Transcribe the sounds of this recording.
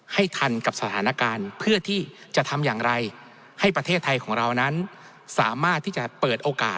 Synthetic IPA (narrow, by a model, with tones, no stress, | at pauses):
ha˥˩jt̪ʰa˧nka˨˩p̚sa˧t̪ʰaː˩˦na˦˥kaː˧npʰɯ˥˩ɐt̪ʰiː˥˩t͡ɕa˨˩ʔt̪ʰa˧mjaː˨˩ŋɾa˧j | ha˥˩jpɾa˧t̪ʰeː˥˩t̪ʰːa˧jkʰɔː˩˦ŋɾa˧wna˦˥n | sa̰ː˩˦maː˥˩t̪ʰːiː˥˩t͡ɕa˨˩pɤː˨˩t̪̚ʔoː˧ka̰ː˨˩t̪̚